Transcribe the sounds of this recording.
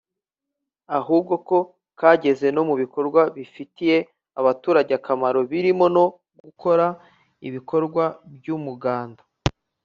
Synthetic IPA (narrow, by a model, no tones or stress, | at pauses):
aɦuːb̚ɡo̞ko̞ | kaːɟe̞ze̞no̞muβiko̞ɾɡwaβifitije̞ | aβatuːɾaɟakamaɾo̞βiɾimono̞ | ɡukʰo̞ɾa | iβiko̞ɾɡwabɟuːmuɡaːndḁ